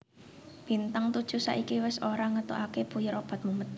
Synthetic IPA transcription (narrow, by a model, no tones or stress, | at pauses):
b̥i̤nt̪aŋt̪ud̥ʒ̥ṳsa̰ʔikiwɛsoɾaŋət̪uʔakepujɪɾob̥a̤t̪̚mumət̪